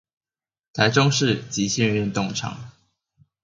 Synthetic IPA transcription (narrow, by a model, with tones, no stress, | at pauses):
t̪ʰa˨˦ɪʈ͡ʂo˥ŋʂɻ̩˥˨t͡ɕi˨˥ɕjɛ˥˧nɥɛ˥˧nt̪ʊ˥˨˩ŋʈ͡ʂʰɑ̰˨˦ŋ